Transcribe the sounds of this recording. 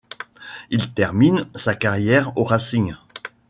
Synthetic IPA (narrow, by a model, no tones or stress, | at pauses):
ilt̪ɛʁminsakaʁjɛʁoʁasiɲ